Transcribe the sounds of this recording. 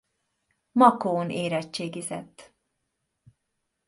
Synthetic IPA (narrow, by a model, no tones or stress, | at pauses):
mɒkoːneːɾɛt͡ʃːeːɡizɛt̪ː